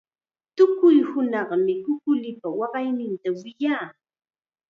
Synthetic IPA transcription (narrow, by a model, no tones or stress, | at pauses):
t̪ʊkʊjhʊnɑχmɪkʊkʊlɪpawɑɢɑjnɪnt̪awɪjaː